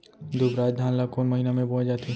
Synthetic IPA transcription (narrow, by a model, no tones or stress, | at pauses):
d̪ʊbɾaːd͡ʒ̚d̪ʱaːnlakoːnməɦinamẽbɔ̃ːd͡ʒaːt̪i